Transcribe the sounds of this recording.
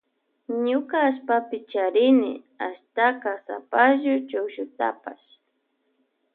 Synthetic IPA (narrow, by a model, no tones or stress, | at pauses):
ɲʊkaːʃpapɪt͡ʃaɾɪnɪ̰ | a̰ʃt̪akasa̰paʒʊt͡ʃawʃʊt̪a̰paʃ